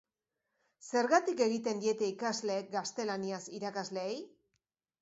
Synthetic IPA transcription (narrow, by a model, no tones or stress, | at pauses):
se̞ɾɣat̪ike̞ɣit̪e̞nd̪ie̞t̪e̞ikazle̞ːk̚ɡast̪e̞laniasiɾakazle̞ej